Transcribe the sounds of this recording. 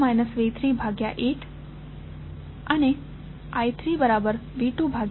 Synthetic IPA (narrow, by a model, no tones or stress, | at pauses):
majnəsʋet̪ʰɾibʱaɡjaʔeʈʰ | əne | ajt̪ʰɾibəɾabəɾʋiʈubʱaɡ